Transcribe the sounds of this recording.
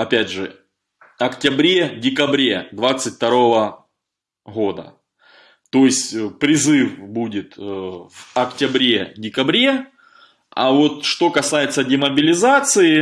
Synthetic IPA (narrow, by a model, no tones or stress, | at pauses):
ɐpʲædʲʐɨ̰ | ɐktʲɪbɾʲedʲɪkɐbɾʲe̞d̪vat̪sɨtʲft̪ɐɾo̞və | ɣo̞d̪ə̰ | t̪o̞jɪsʲtʲpɾʲɪzɨfbudʲɪt̪vɐktʲɪbɾʲe̞dʲɪkɐbɾʲe̞ | ɐ̰vo̞t̪ʂt̪o̞kɐsajɪt̪sədʲemɐbʲɪlʲɪzat̪sɨɪ